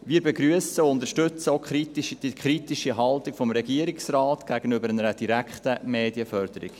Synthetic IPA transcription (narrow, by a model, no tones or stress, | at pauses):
ʋiːəbeɡɾyəsəʊnd̪əɾʃtʏt͡səoʊkχɾitiʃd̥ikχɾitiʃiɦɑltikfɔmɾɛɡiəɾiksrɑːtɡ̥æɡ̥ənʏbəɾænəɾəd̥iɾækχtəmeːdiəfœɾd̥̪əɾḭk